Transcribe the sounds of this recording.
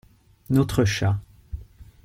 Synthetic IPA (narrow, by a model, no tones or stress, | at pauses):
nɔt̪χəʃa